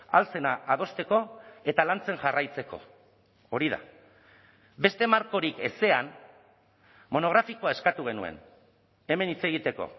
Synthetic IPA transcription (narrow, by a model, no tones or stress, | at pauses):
alt͡se̞naʔːð̞o̞st̪e̞ko̞e̞t̪alant͡se̞nʝarajt͡se̞ko̞̰ː | ɾiða̰ | be̞st̪e̞maɾko̞ɾike̞se̞an | mo̞no̞ɣɾafiko̞ae̞skat̪uɣ̞e̞nue̞̰n | e̞me̞nit͡se̞ɣ̞it̪e̞ko̞̰